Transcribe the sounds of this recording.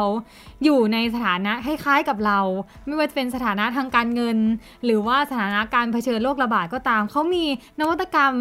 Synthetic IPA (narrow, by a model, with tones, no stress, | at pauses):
w | juː˨˩na˧jsa˧t̪ʰaː˩˦na˦˥ʔkʰa˥˩jkʰaː˦˥jka˨˩p̚ɾa˧wma˥˩jwaː˥˩t͡ɕa˨˩pe˧nsa˧t̪ʰaː˩˦na˦˥t̪ʰaː˧ŋkaː˧nŋɤ˧n | ɾɯː˩˦waː˥˩sa˧t̪ʰaː˩˦na˦˥ʔkaː˧npʰa˧t͡ɕʰɤː˧nloː˥˩k̚ɾa˧baː˨˩t̪̚kɔː˥˩t̪aː˧mkʰa˦˥wmiː˧na˦˥wa˦˥t̪̚ːa˧ka˧m